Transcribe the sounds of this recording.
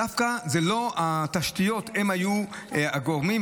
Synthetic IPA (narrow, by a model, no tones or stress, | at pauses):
afkazelo̞at̪aʃt̪ijo̞t̪hemhaju | aɡoʁmi